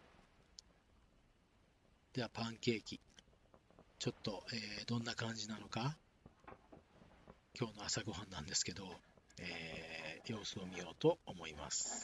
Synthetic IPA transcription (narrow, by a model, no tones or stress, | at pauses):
d̪̥e̞βapãŋke̞ːkʲi | t͡ɕo̞t̪ːo̞eːd̪õ̞nːakãɲ̟d͡ʑinano̞ka | kʲo̞ːno̞asaɡo̞ɦãnːãnd̪e̞sɨ̥ke̞d̪o̞eːjo̞ːsɨomʲijo̞ːt̪o̞ːmo̞ima̰sɨ̥